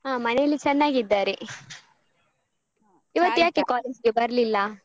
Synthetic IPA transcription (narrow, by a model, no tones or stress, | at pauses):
ɦaːmɐnɛjɐlːit͡ʃɛnːaːɡiid̪ːaːɾe | iʋɐt̪ːjaːkekaːled͡ʒɡebɐɾɐlilːɐ